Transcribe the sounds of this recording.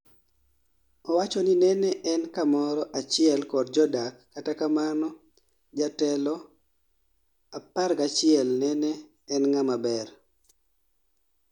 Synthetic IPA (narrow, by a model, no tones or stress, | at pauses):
ɔwat͡ʃɔninɛnɛʔɛnkamɔɾɔʔat͡ʃɪɛlkɔrd͡ʒɔdakːatakamanɔ | d͡ʒatɛlɔ | apaɾkat͡ʃɪɛlnɛnɛː | nŋamabɛɾ